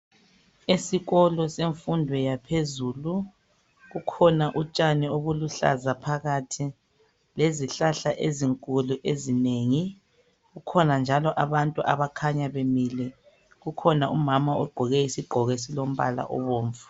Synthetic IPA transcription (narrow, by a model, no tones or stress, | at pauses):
esiɣɔlɔseɱfundʱwɛjapʰezuːlu | ɣukʰɔnaʔut͡ʃʼanioβuluɬa̰zapʰaɣatʰi | leziɬaɬaʔeziŋkʼuluʔezineːŋi | ɣukʰɔnand͡ʒʱalɔʔaβantʼuʔa̰βakʰaɲaβemilɛ | ɣukʰɔnaumamaɔɡ͡ǃʱɔɣɛisiɡ͡ǃʱɔɣɛsilom̩βa̰la̰ʔɔ̰βoːɱvu̥